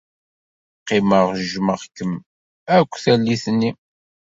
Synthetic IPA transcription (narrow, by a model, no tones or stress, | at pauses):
qːɪməʁʒʒməʁkːəm | ækʷːθælːiθnːi